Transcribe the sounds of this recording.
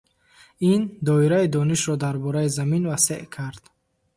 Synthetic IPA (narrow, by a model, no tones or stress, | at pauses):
ind̪ɔiɾaid̪ɔniʃɾɔd̪aɾbɔɾaizaminvaseʔkʰaɾd̪̥